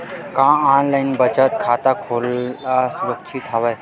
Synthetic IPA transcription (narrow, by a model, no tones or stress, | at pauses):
kãanlajnbət͡ɕat̪̚kʰat̪akʰolasuɾəkt͡ʃʰiːt̪ʰaʋaj